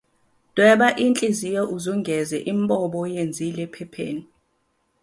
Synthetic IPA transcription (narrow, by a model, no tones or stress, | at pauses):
d̥ʼwɛɓaʔint͡ɬʼizijaʔuzoŋɡʱɛzɛ̰ʔimɓʼɔɓɔjend͡zʱilɛpʰɛpʰḛːni